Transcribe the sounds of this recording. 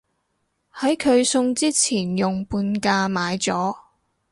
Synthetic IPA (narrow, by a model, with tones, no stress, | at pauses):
hɐ˨˥jkʰɵ˨˧ɥsʊ˧ŋt͡siː˥t͡sʰiː˨˩njʊ˨˩ŋpuː˧nkaː˧maː˨˧jt͡sɔː˨˥